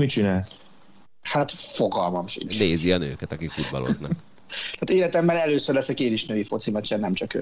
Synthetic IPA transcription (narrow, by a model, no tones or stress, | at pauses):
mit͡ʃinaːls | hat̪fo̞ɡɒlmɒmʃḭnt͡ʃneːziɒnø̰ːkɛt̪ɒkikfud̪̚bɒ̰lo̞̰znɒ̰k | t̪aːt̪eːlɛt̪ɛmːɛlɛløːsørlɛsɛkeːniʃnøːjifo̞t̪simɛt͡ʃɛnːɛmt͡ʃɒkø̰